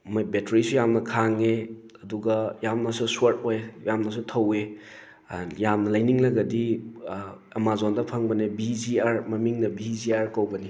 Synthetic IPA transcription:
mbetɾisujamnɐkʰaŋe | ɐduɡɐjamnɐsuswaɾt̚ojjamnɐs̬utʰɐwe | jamnɐlajniŋlɐɡɐdi | ɐmazondɐpʰɐŋbɐnebiziaɾmɐmiŋnɐbiziaɾkɐwbɐni

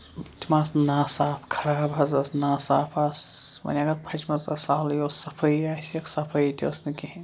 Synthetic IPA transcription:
t̪ʲʰimaːsnaːsaːpʰkʰɐɾaɡɐbʱɐzɐsnaːsaːpʰasmɐ̰nʲaɡɐɾpʰɐt͡ʃmɐzɐsaːljoːsɐpʰɐiaseksɐpʰɐjt̪ʲʰosnɨki

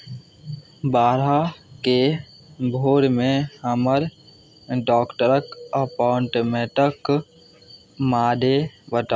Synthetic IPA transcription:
baːɾake | bʱoːɾmẽhəməɾ | ɖɔːkʈəɾəkəpɔːɳʈːmeːʈək | maːd̪ebəʈ̪a

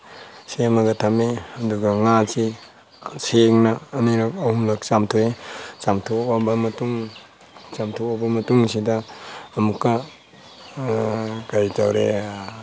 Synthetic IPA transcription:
semɐɡɐtʰameɐduɡɐŋat͡ʃi | seŋnɐːniɾɐk̚ɐhumlɐk̚t͡ʃamtʰuet͡ʃamtʰuabɐmɐtuŋ | t͡ʃamtʰuabɐmɐtuŋsidɐːmukːɐ | ɡajtawɾḛ

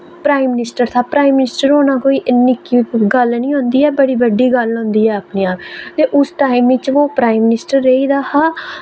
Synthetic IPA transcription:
pɾaːimɪnɪsʈəɾt̪ʰaːpɾaːimːɪnɪsʈəɾoːnãːkoːiːʔɪnːikiɡəlnĩːɦõnd̪iːɛːbəɽiːbəɖːiːɡəlɦõːnd̪iːɛːəpniːaːpt̪eːʔʊsʈaːɪmʋɪt͡ʃʋoːpɾaːimːɪnɪsʈəɾːeiːd̪aːhaː

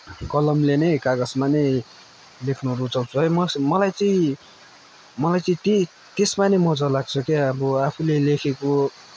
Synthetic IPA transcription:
kʌlʌmlenʌjkaɡʌsmanʌj | lekʰnuɾut͡sʌwt͡sʰuɦʌjmʌsmʌlajt͡sʌĩ | mʌlajt͡sʌĩt̪e | t̪esmanʌmʌd͡zʌlaɡ̚t͡sʰʌkeʌbʌapʰulelekʰeko

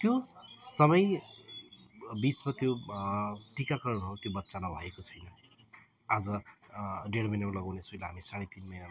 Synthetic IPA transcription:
t̪josʌmʌj | bit͡smat̪jo | ʈikakʌɾʌnɦʌɾut̪jobʌt̪ːsanʌbʱʌjekot͡sʰʌjnʌ | ad͡zʌ | ɖeɽmʌjnamulʌɡawnesujlaɦamisaɽet̪inmʌjna

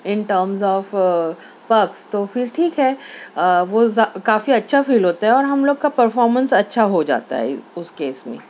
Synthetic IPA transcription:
ɪnʈəːɾmzɔːf | pɐkst̪ofɪɾʈʰiːkɦɛː | ʋozakaːfiɐtːʃʰafiːlɦoːt̪aɦɛɔːɾɦɐmloːɡ̚kapɐɾfɔːɾmə̃nsɐtːʃʰaɦod͡ʒa̰ːt̪a̰ɦɛ̰ʊskeːsmḛ̃

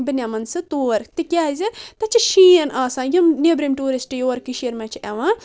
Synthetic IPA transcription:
bɨnʲɐmɐnsɨt̪uːɾt̪ikʲaːzʲɨt̪ɐt͡ʃʰiʃiːɐnaːsãːjɐmnʲebɾimʈuːɾisʈɨjoːɾkiʃiɐɾmɐ̃t͡ʃʰiɐʋãː

